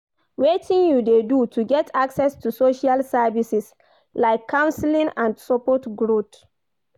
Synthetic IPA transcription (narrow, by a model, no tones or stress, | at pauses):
wetʰĩnjudedutʰuɡɛtʰaksɛstusoʃalsɛvisis | laɪkʰːãw̃nslĩnãndsɔpɔtɡɹot